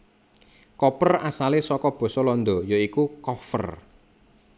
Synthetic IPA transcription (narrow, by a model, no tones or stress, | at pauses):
kɔpərasalesɔkɔb̥ɔ̤sɔlɔnd̪ɔ̤joikukɔfə̰r